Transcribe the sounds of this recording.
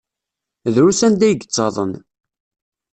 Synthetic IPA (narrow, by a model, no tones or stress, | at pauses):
ðɾusænd̪æjɡt͡sˤːɑðˤə̰n